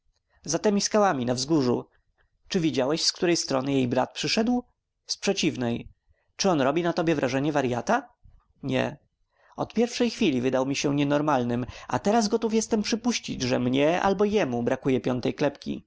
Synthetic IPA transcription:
zat̪ɛmʲiskawamʲinavzɡuʐṵ | t͡ʂɘvʲid͡ʑawɛɕskt̪uɾɛjst̪ɾɔnɘjejbɾa̰t̪̚pʂɘʂɛd̪w | spʂɛt͡ɕivnɛj | t͡ʂɘɔnɾɔbʲinat̪ɔbʲjɛvɾʔaʐɛɲɛvaɾjat̪a | ɲɛ̰ | ɔ̰t̪pʲjɛɾfʂɛjxfʲilʲivɘd̪awmʲiɕɛɲɛnɔɾmalnɘma̰t̪ɛɾazɡɔt̪ufjɛst̪ɛmpʂɘpuɕt͡ɕḭd͡ʑʐɛmɲɛa̰lbɔjɛmubɾakujɛpʲjɔnt̪ɛjklɛpkʲḭ

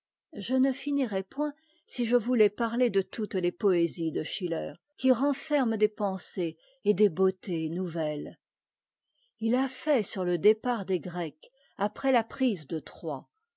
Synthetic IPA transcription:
ʒənəfiniʁɛpwɛ̃ | siʒəvulɛpaʁled̪ət̪ut̪lepɔezid̪əʃilœːʁ | kʲiʁɑ̃fɛʁmd̪epɑ̃seː | d̪ebot̪enuvɛl | ilafɛsyʁləd̪epaʁd̪eɡʁɛk | apχɛlapχizd̪ət̪χwa

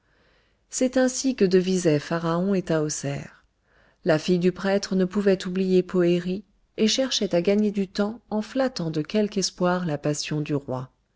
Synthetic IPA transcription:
sɛt̪ɛ̃sikəd̪əvizɛfaʁaɔ̃et̪aosɛ̰ːʁ | lafijd̪ypχɛt̪χənəpuvɛt̪ublijepoeʁi | eʃɛʁʃɛt̪aɡaɲed̪yt̪ɑ̃ɑ̃flat̪ɑ̃d̪əkʲɛlkɛspwaʁlapasjɔ̃d̪yʁwa

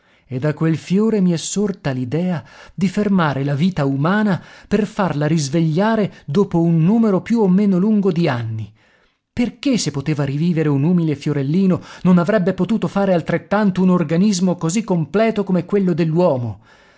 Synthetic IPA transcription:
ed̪akːwelfjoːɾemiɛsːort̪alid̪ɛːad̪ifermaːɾelaviːt̪aumaːnaperfarlaɾizveʎːaːɾed̪oːpounːuːmeɾopjuomːeːnoluŋɡod̪ianːi | perkesːepːot̪eːvaɾiviːveɾeunuːmilefjoɾelːiːnononavɾɛbːepot̪uːt̪ofaːɾealt̪ɾet̪ːant̪ounorɡanizmokozikːomplɛːt̪okomɛkːwelːod̪elːwɔːmo

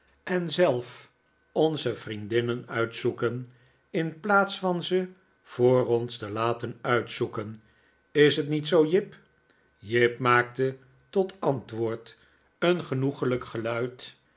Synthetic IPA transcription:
ʔɛnzɛlˠf | ɔnzəvrindɪnənœɥtsukən | ɪnplaːtsfɑnzə | v̥oːrɔnstəlaːtənœɥtsukən | ɪsɦətnitsowjɪp | jɪpmaːk̚tə | tɔtɑntʋʊːɹt | ənχənuχələkχəlœɥt

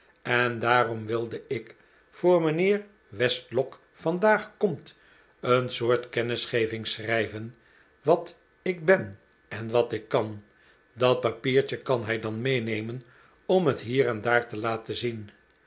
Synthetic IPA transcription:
ɛndaːrɔmʋɪlˠdəɪk | fʊːɹmənɪːɹ | ʋɛstlɔk | fɑndaːχkɔmt | ənsʊːɹtkɛnɪsχejvɪŋsrɛjvən | ʋɑt | ɪɡ̚bɛn | ɛnʋɑtɪkːɑn | dɑt̚pɑpiːɹt͡ʃəkɑnɦɛjdɑnmejnejmən | ɔmɦətɦiːɾɛndaːɹtəlaːtəzin

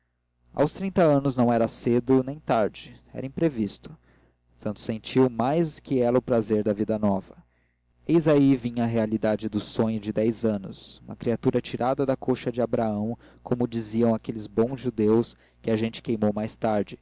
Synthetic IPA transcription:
a̰wst̪ɾĩt̪ɐɐ̃nʊznɐ̃w̃ɛɾɐsed̪ʊnẽj̃t̪aɾd͡ʒɪɛ̰ɾɐĩpɾevist̪ʊ̥ | sɐ̃nt̪ʊ̥sẽnt͡ʃiwmajskɪɛlɐʊpɾazeɾd̪ɐvid̪ɐnɔvɐ | ezaivĩɲɐɦealid̪ad͡ʒɪd̪ʊsõɲʊd͡ʒɪd̪ɛjzɐ̃nʊ̰sumɐ̰kɾiat̪uɾɐt͡ʃiɾʔad̪ɐd̪ɐkoʃɐd͡ʒɪabɾaɐ̃w̃ | kʰomʊd͡ʒiziɐ̃w̃akelɪzbõw̃zʒud̪ews | kɪaʒẽnt͡ʃɪ̥kejmowmajst̪aɾd͡ʒɪ

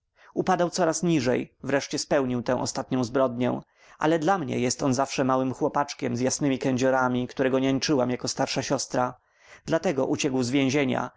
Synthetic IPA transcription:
upad̪awt̪sɔɾasɲiʐɛjvɾɛʂt͡ɕɛspɛwɲiwt̪ɛ̃ʔɔ̰st̪at̪̚ɲɔ̃w̃zbɾɔd̪̚ɲɛ̰̃ | ʔa̰lɛd̪lamɲɛ̰jɛst̪ɔnzafʂɛmawɘmxwɔpat͡ʂkʲɛmzjasnɘmʲikɛɲd͡ʑɔɾamʲikt̪uɾɛɡɔɲɛɲt͡ʂɘwamjakɔst̪aɾʂaɕɔst̪ɾa | d̪lat̪ɛɡɔʔut͡ɕɛɡwzvʲjɛ̃w̃ʑeɲa̰

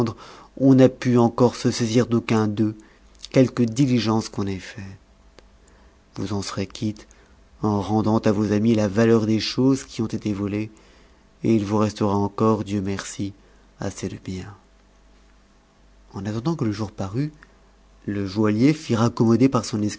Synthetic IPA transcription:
d̪ʁɔ̃napyɑ̃kɔʁsəseziʁd̪okɛ̃d̪ø | kʲɛlkəd̪iliʒɑ̃skɔ̃nɛfɛt̪ | vuzɑ̃səʁekʲʰit̪ | ɑ̃ʁɑ̃d̪ɑ̃t̪avozamilavalœʁd̪eʃozkʲiɔ̃t̪et̪evɔle | eilvuʁɛst̪əʁaɑ̃kɔʁd̪jømɛʁsi | a̰sed̪əbjɛ̃ | ɑ̃nat̪ɑ̃d̪ɑ̃kələʒuʁpaʁy | ləʒwaljefiʁakɔmɔd̪epaʁsɔ̃nɛs

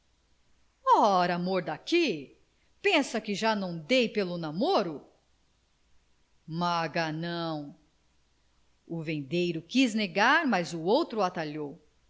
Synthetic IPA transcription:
ɔɾamoɾd̪aki | pẽsɐkɪʒanɐ̃w̃d̪ejpelʊnamoɾʊ | maɡanɐ̃w̃ | ʊvẽnd̪ejɾʊkizneɡaɾmazʊowt̪ɾʊat̪aʎow

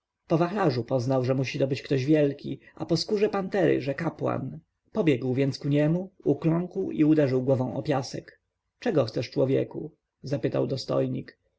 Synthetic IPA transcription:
pɔvaxlaʐupɔznawʐɛmuɕid̪ɔbɘt͡ɕkt̪ɔʑvʲjɛlkʲḭʔapɔskuʐɛpant̪ɛɾɘ̰ʐɛkapwa̰n | pɔbʲjɛɡwvʲjɛnt̪skuɲɛmuuklɔ̃ŋkwiud̪ɛʐɘwɡwɔvɔ̃w̃ʔɔ̰pʲjasɛk | t͡ʂɛɡɔxt̪sɛʂt͡ʂwɔvʲjɛ̰ku | zapɘt̪a̰wd̪ɔst̪ɔ̰jɲik

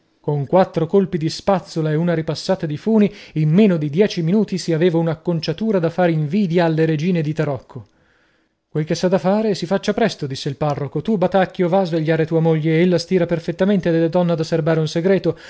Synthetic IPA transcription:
koŋkwat̪ːɾokolpid̪ispat̪sːolaeunaɾipasːaːt̪ad̪ifuːniimːeːnod̪id̪jɛːt͡ʃiminuːt̪isiaveːvaunakːont͡ʃat̪uːɾad̪afaːɾeiɱviːd̪jaːlːeɾed͡ʒiːned̪it̪aɾɔkʰːo | kwelk̟esːad̪afaːɾesifat͡ʃːapɾɛst̪od̪isːeilparːokot̪ubat̪akːjovaːzveʎːaːɾet̪uːamoʎːeelːast̪iːɾaperfet̪ːament̪ed̪elːad̪ɔnːad̪aserbaːɾeunseɡɾɛːt̪o

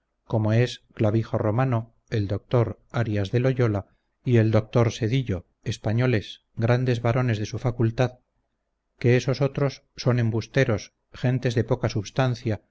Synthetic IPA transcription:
ko̞mo̞e̞sklaβixo̞ro̞mano | e̞ld̪o̞k̚t̪o̞ɾ | aɾiazðe̞lo̞ʝo̞la | ie̞ld̪o̞k̚t̪o̞ɾse̞ðiʎo̞ | espaɲo̞le̞s | ɡɾand̪e̞zβaɾo̞ne̞zðe̞sufakult̪að | ke̞eso̞so̞t̪ɾo̞sːo̞nẽ̞mbust̪e̞ɾo̞s | xe̞nt̪e̞zðe̞po̞kasuβst̪anθja

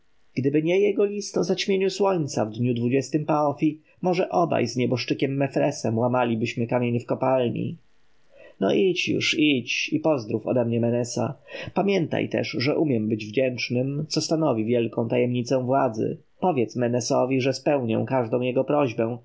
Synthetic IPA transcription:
ɡ̥d̪ɘbɘɲɛjɛɡɔlʲist̪ɔzat͡ɕmʲjeɲuswɔɲt̪sa̰vd̪ɲud̪vud͡ʑɛst̪ɘmpaɔfʲi | mɔʐɛʔɔba̰jzɲɛbɔʂt͡ʂɘkʲɛmːɛfɾɛsɛmwamalʲibɘɕmɘkamʲjeɲɘfkɔpalɲḭ | nɔ̰ʔit͡ɕjṵʂit͡ɕipɔzd̪ɾufɔ̰d̪ɛmɲɛmɛnɛsa̰pamʲjɛnt̪a̰jt̪ɛ̰ʂʐɛʔumʲjɛmbɘd͡ʑvd͡ʑɛnt͡ʂnɘmt̪sɔst̪anɔvʲivʲjɛlkɔ̃w̃t̪ajɛmɲit̪sɛw̃vwad̪zɘ̰ | pɔvʲjɛt̪smɛnɛsɔvʲiʐɛspɛwɲɛ̰̃w̃kaʐd̪ɔ̃w̃jɛɡɔpɾɔʑbɛ̃w̃

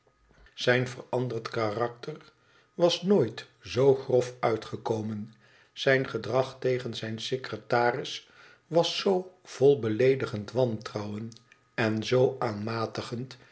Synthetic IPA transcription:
z̥ɛjnvərɑndərtkarɑk̚tər | ʋɑsnoːjt | zowχrɔfœɥtχəkowmən | z̥ɛjnχədrɑχtejχənzɛjnsekrətaːrɪs | ʋɑsːow | v̥ɔlˠbəlejdəχəntʋɑntrɑwən | ɛnzowʔaːnmaːtəχənt

